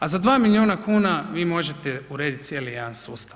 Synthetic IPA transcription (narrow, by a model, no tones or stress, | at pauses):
azad̪ʋaːmilʲioːnakuːnaʋiːmo̞ʒet̪e̞uɾe̞ːd̪it̪sje̞ːlijed̪ansuːst̪a